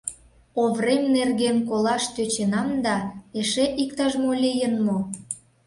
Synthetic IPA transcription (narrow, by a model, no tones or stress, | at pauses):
oβremnerɣenkolɑʃt̪øt͡ɕenɑmd̪ɑeʃeʔikt̪ɑʒmolʲijənmo